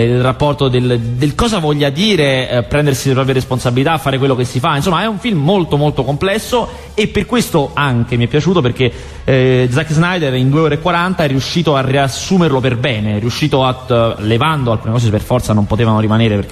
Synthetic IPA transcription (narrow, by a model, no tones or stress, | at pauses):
ilrapːɔrt̪od̪eld̪elkɔːzavɔʎːad̪iːɾepɾɛnd̪ersilepɾɔːpɾjaɾesponsabilit̪aːfːaːɾekwelːokesːifainsomːaɛuɱfilmːolt̪omolt̪okomplɛsːo | epːerkwest̪oaŋk̟emiɛpːjat͡ʃuːt̪̬operk̟e | d̪zakːznajd̪erind̪ueɔːɾekwaɾant̪aɛrːiuʃːiːt̪oariasːuːmerloperbɛːneriuʃːiːt̪oalevand̪oalkuːnekɔːz̬epḛrfɔrt̪sanompot̪eːvanoɾimaneːɾeperk